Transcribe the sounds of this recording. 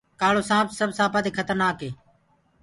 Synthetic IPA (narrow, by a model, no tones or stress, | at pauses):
kaːloːsãːpʰsəbsaːpaːt̪eːkʰət̪əɾnaːkeː